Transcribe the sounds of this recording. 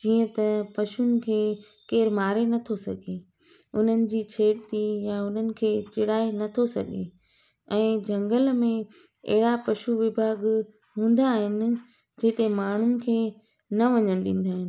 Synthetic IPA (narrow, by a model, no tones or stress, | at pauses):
d͡ʑiːə̃t̪ɐpɐʃʊnɪ̆kʰeː | keːɾmaːɾenɐt̪ʰosɐɡʱe | ʊn̤ənɪ̆d͡ʑiːt͡ɕʰeːɽt̪ijaʊn̤ənɪ̆kʰeːt͡ɕɪɽaːenɐt̪ʰosɐ̰ɠʱe | ɛ̃ːd͡ʑʱɐ̃ŋɡəlmẽ | ḛɦɪɽapɐʃuʋɪbʱaːɡ | ɦũːn̆d̪aɦɪnɪ̆ | d͡ʑeːt̪emaːɳ̤ʊnɪ̆kʰeː | nɐʋɐɲəɽ̃ɗĩːn̆d̪aːɦɪn̆